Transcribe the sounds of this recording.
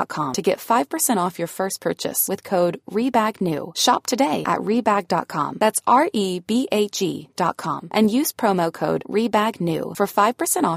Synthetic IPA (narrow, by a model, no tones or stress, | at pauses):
t̚kʰɑ̃mtʰɨɡɛ̰tfaɪv̥pʰə˞sɛ̃ɾ̃tɔfjə˞fɜ˞spʰɜ˞t͡ʃɨ̰swɨð̥kʰoʊdɹibæɡnʉ̰ʃɑ̰p̚tʰɨdeɪʔɨ̰ʔ̚ɹibæɡ̚dɑ̰t̚kʰɑ̰̃mðætsɑɹʔib̥iʔeɪt͡ʃḭd̥ɑ̰t̚kʰɑ̰̃mʔɨ̃njʉz̥pʰɹ̥õʊmoʊkʰoʊd̚ɹibæɡnʉ̰fə˞faɪv̥pʰə˞sɛ̃ɾ̃ɔ